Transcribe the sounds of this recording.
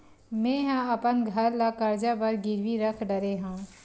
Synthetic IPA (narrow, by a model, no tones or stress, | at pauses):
mɛ̃ːɦãɐpənɡʱɐɾlakəɾd͡ʒabəɾɡɪɾʋiɾəkʰɖəɾeɦãː